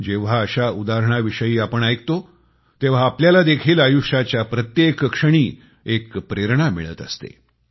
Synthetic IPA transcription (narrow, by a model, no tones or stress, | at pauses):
d͡ʑeʋ̤aəɕaud̪aɾəɳ̃aʋiʂəjiːapəɳajk̚t̪o | t̪eʋ̤aːpljalad̪ekʰiːlajuʂat͡ɕjapɾət̪jekkʂəɽ̃iː | ekpɾeɾɳ̃amḭɭə̰t̪ə̰st̪ḛ